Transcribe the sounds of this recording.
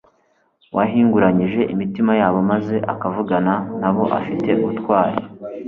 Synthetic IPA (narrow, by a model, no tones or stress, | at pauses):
waɦiːŋɡuɾaɲiʒe̞ʔimitimajaːβo̞maze̞ʔa̰kavuɡananaβo̞ʔa̰fite̞uutkwaːɾḭ